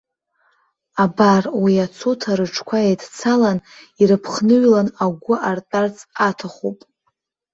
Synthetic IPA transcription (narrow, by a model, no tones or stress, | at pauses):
abarwiat͡sʰotʰaɾɨʈ͡ʂʰkʷʰaejdt͡sʰalan | iɾɨpʰχnɨɥlanaɡʷʊʔartʼart͡sʼatʰaχupʼ